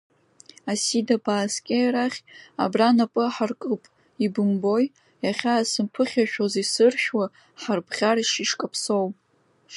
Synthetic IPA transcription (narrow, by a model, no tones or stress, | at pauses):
asidabaːskʲʼejraχʲa̰branapʼɨaħarkʼɨpʼ | ibɨmbo̞j | jaχʲaːsɨmpʰɨχʲaʃᶣozisɨrʃʲᶣwa | ħarpʰχʲaɾaʃiʂkʼapʰsowʼ